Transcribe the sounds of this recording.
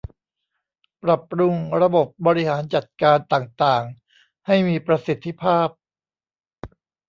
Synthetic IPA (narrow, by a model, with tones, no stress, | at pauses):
pɾa˨˩p̚ɾu˧ŋɾa˧bo˨˩p̚bɔː˧ɾi˦˥haː˩˦nt͡ɕa˨˩t̪̚kaː˧nt̪aː˨˩ŋt̪aː˨˩ŋ | ha˥˩jmiː˧pɾa˧si˨˦t̪ʰːi˧˦˥pʰaː˥˩p̚